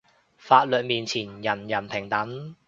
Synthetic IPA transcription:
faː˧t̚lɵ˨t̚miː˨nt͡sʰiː˨˩njɐ˨˩njɐ˨˩npʰɪ˨˩ŋt̪ɐ˨˥ŋ

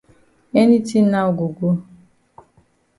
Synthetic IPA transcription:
e˦ni˦ti˦na˦˨ɡo˨ɡʷo˦

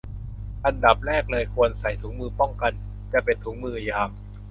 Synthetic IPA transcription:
ʔa˧nda˨˩p̚ɾɛː˥˩k̚lɤː˧jkʰu˧ənsa˨˩jt̪ʰuː˦˥ŋmɯː˧pɔ˥˩ŋka˧n | t͡ɕa˨˩pe˧nt̪ʰuː˦˥ŋmɯː˧a˧˩jaː˧m

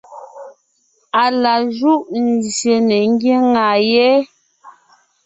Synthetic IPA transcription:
a˨la˨ʒu˦ʔn̩˨zje˨nɛ˨ŋ˦ɡje˦ŋa˨jɛ˦

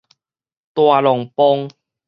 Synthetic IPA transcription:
t̪wa˨lɔ˨˩ŋpɔ˦ŋ

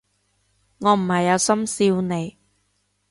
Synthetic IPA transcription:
ŋɔː˨˧m̩˨˩hɐ˨jːɐ˨˧wsɐ˥msiː˧wne˨˧j

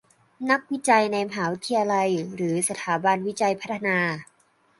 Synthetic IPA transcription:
na˦˥k̚wi˦˥t͡ɕa˧jna˧jma˧ɦaː˩˦wi˦˥t̪ʰːi˧aː˧la˧jɾɯː˩˦sa˧t̪ʰaː˩˦ba˧nwi˦˥t͡ɕa˧jpʰa˦˥t̪ʰːa˧naː˧

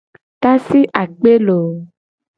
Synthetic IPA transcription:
t̪a˦si˦ʔa˨k͡pe˦lo˨

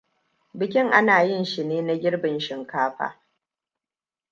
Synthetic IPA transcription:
bɪ˨kʲɪ˦ŋʔa˦naː˨jɪ˦˨nʃɪ˨neː˦na˦ɡʲɪ˦ɽbɪ˨nʃɪ˨ŋkaː˦ɸa̰ː˨

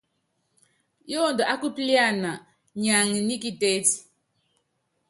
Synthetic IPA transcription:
jo˦˨ndɔ˨ʔa˦ku˦pli˦a˦˨na˨ | ɲa˨ŋi˨ni˦ki˦te˦ti̥˨

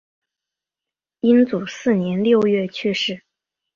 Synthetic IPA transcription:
i˥nt͡su˨˩sɹ̩˥˩njɛ˧˥nljo˥˧ʊɥɛ˥˩t͡ɕʰy˥˧ʂɻ̩˥˩

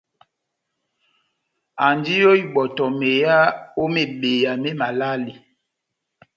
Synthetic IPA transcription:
a˨ndi˦jo˦i˨ɓɔ˨tɔ˨me˨ja˦o˦me˨ɓe˨ja˨me˦ma˨la˦li˨

